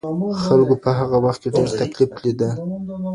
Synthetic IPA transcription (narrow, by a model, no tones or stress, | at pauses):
xalɡopəɦaɣawaxt̪̚keɖeɾt̪aklifklid̪ə